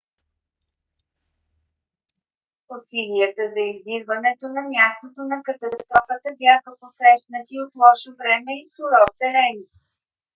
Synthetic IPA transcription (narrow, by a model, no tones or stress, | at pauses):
osiliət̪əzɐizbiɾvənɛt̪onɐmʲjast̪ot̪onɐkət̪ɐst̪ɾɔfət̪əbjʲaxəposɾɛʃt̪nət̪ʲiot̪lˠɔʃovɾɛmɛisoɾɔt̪ɛɾɛni